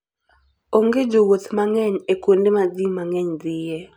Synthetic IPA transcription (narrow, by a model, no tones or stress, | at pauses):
oŋɡed͡ʒowot̪maŋɛɲekwondemad̪imaŋɛɲd̪ɪjɛ